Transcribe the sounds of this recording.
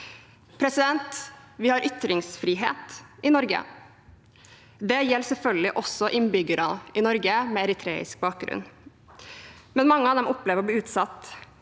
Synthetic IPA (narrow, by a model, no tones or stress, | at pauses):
pʰɾɛsɪd̪ɛnt̪ʋɪhɑɾʔʏt̪ɾɪŋsfɾiːɦeːt̪ɪnɔɾɡə̰ | d̪ɛjɛlːsɛlfœlɡ̪ɪʔɔsɔʔɪnbʏɡəɾɑɪnɔɾɡəmɛɛɾɪt̪ʰɾḛːɪ̰sk̚bɑːk̚ɡɾʉ̰n | mɛnmɑŋːəɑːʋd̪ɛmʊpːlɛːʋəɾɔbliːʉːt̪sɑt̪ː